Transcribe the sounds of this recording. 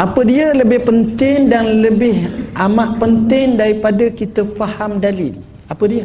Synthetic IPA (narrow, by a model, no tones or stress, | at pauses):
ʔapədiələbɪhpənt̪ɪŋdanləbɪhʔamaʔpənt̪ɪŋdaɾipadakit̪əfahamdalɪl | apədia